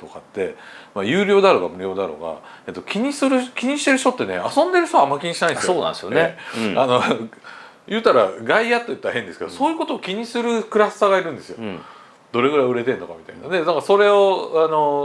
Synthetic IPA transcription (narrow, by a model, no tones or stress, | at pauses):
t̪o̞kat̪ːe̞majɯ̟ːɾʲo̞ːd̪aɾo̞ɡa̰mɯ̟ɾʲio̞ːd̪aɾo̞ɡa̰ | e̞t̪ːo̞kʲiɲ̟isɨɾɯ̟kʲiɲ̟iɕi̥t̪e̞ɾɯ̟ɕt̪ot̪ːe̞nḛasõ̞nd̪e̞ɾɯ̟ç̥toamːakʲiɲ̟iɕinaĩnesoːna̰nd̪esjoneano̞ | jɯ̟ːt̪aɾa̰ɡaijat̪ːo̞jɯ̟t̪ːaɾahẽ̞nd̪esɨ̥ke̞d̪oso̞ːjɯ̟ko̞t̪oːkʲiɲ̟isɨɾɯ̟kɯ̟ɾasɨ̥t̪aɡaiɾɯ̟̃nd̪e̞sɨjo̞̰ | d̪o̞ɾe̞ɡɯ̟ɾaiɯ̟ɾe̞t̪ẽ̞nːo̞kamʲit̪aina̰d̪e̞nãŋkaso̞ɾe̞oano̞